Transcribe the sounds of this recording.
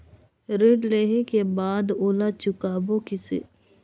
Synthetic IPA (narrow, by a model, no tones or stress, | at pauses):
ɾɪɖleːɦekebaːd̪oːlat͡ʃʊkaːbokɪsḛː